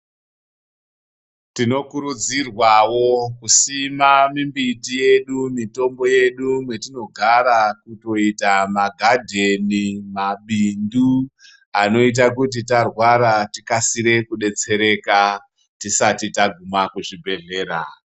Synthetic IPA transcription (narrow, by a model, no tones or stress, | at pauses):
tino̞kuɾud͡zirwawo̞kusimamimbitije̞ɗumito̞mbo̞je̞ɗumwe̞tino̞ɡʱaɾakuto̞itamaɡʱadʱe̞nimaɓindu | ano̞it̬akut̬itarwaɾatikasiɾe̞kuɗe̞t͡se̞ɾe̞ka | tisatitaɡʱumakuʐibʱe̞ɮe̞ːɾa